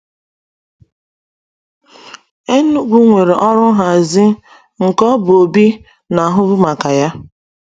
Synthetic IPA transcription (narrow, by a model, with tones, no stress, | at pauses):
e˦nu˦ɡʷu˦ŋʷe˨ɾe˨ʔɔ˦ɾʊ˦ɦa˨zɪ˦ | ŋ̩˨kɔ˦bʊ˨o˨bi˦ | na˨ɦʊ˦bʊ˦ma˨ka˨ja˦